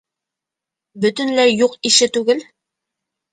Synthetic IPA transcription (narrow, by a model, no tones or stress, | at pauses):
bɵ̆t̪ɵ̆nlæɾjuqiʃɘt̪ʉɡɘl